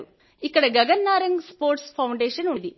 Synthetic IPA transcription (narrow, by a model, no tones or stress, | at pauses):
u | ikːɐɽeɡɐɡɐnːaːɾɐŋɡspoːɾʈspʰɐwɳɖeːʂɐnud̪i